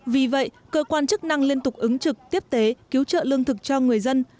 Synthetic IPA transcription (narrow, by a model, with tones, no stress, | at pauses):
vi˨˩və̰˧˨j | kəː˧kwaː˧nt͡ɕɨ˦˥k̚na˧ŋli˧ənt̪ʊ˨˩k͡p̚ʔɨ˨˦ŋt͡ɕɨ˨˩k̚t̪i˦˥əp̚t̪e˨˦ki˨˦wt͡ɕə̰ː˧˨lɨ˧əŋt̪ʰɨ˨˩k̚t͡ɕɔ˧ŋɨ˨˩əjzə˧n